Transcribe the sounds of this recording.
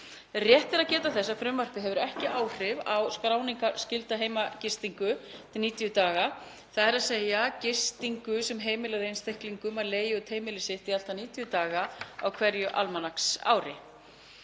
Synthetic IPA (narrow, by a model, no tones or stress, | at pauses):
rjɛht̪ɪɾaðcɛːt̪aθɛsːafɾʏːmːœr̥pɪɦɛvʏɾɛhcɪʔaːwr̥ɪvawskɾaːwniŋkascɪlt̪aɦeːjmacɪst̪iŋkʏt̪ʰɪlniːt̪ijʏt̪aːɣa | θaðɛɾaðseːjacɪ̥st̪iŋkʏsɛmɦeːjmɪlaðejnst̪ehkliŋkʏmaɾleːjɪʏt̪ʰheːjmɪlɪsɪht̪ial̥t̪aniːt̪ijʏt̪aːɣaawkʰv̥ɛɾjʏʔa̰lmanaksa̰ːwɾɪ